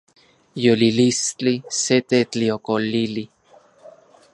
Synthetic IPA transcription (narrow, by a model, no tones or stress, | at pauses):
jolilist͡ɬiset̪et͡ɬiokolili